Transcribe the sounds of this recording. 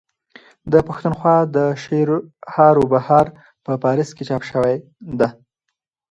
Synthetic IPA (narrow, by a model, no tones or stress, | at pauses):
d̪əpaxt̪unxwɑd̪əʃeɾhɑɾobahɑɾ | pəpɑɾɪsket͡ʃɑpʃəwaj | d̪a